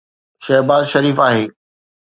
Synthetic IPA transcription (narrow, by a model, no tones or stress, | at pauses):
ʃɛɦbaːzʃɐɾiːfaːɦeː